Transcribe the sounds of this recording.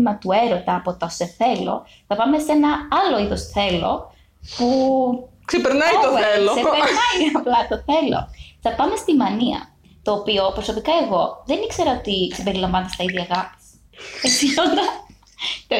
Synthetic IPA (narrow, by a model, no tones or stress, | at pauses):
imɐt̪ue̞ɾo̞t̪ɐːpo̞t̪ɐose̞θe̞lo̞̰ | θɐpɐme̞se̞nɐɐlo̞iðo̞sθe̞lo̞̰ | pu | ksepeɾnɐit̪oeloseenɐiɐplɐt̪oθe̞lo̰θɐpɐme̞st̪imɐniɐ̰ | t̪oːpio̞pɾoso̞pikɐe̞ɣo̞ðe̞nikse̞ɾɐot̪isimbe̞ɾilɐɱvɐnt̪est̪ɐiðʝɐɣɐpi̥s | et͡siond̪ɐ | t̪